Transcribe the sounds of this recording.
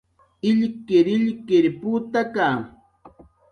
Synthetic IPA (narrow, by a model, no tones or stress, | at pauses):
ɪʎkɪɾɪʎkɪɾput̪akaː